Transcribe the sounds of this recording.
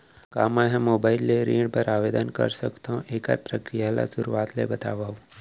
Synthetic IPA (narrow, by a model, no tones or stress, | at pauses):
kaːmaɦɛ̃moːbaːɪlːeɾĩːɖpəɾaːʋeːd̪ənkɐ̰ɾsə̰kt̪aũʔeːka̰pɾəkɾijala̰sʊɾuaːt̪ʰlḛbɐt̪a̰ːʋaːũ